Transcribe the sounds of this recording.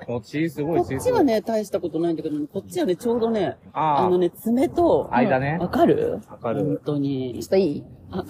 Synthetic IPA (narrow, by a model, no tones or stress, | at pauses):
oisɨɡokot͡ɕːiɡane̞t̪aiɕi̥t̪ako̞t̪onaĩd̪akeoneko̞t͡ɕ͈ːiβane̞t͡ɕo̞ːd̪o̞ne̞aano̞ne̞t͡sɨme̞t̪o̞aid̪aneβakaɾɯ̟̰akaɾõnt̪o̞ɲ̟iaia